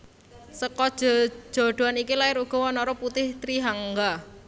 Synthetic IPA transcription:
səkɔd̥ʒ̥ɔ̥d͡ʒ̥o̤ɖ̥o̤anikilaɪɾuɡ̥ɔ̤wɔnɔɾɔput̪ɪht̪ɾiɦaŋɡa

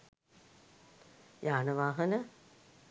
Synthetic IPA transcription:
jaːnəʋaːɦənə

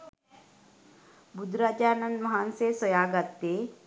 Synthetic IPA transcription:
bud̪ɾaːd͡ʒaːnɐ̃nd̪mɐɦaːnsesəjaːɡɐt̪ːe

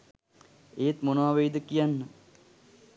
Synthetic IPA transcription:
eːt̪monoaʋejd̪əkijanːə

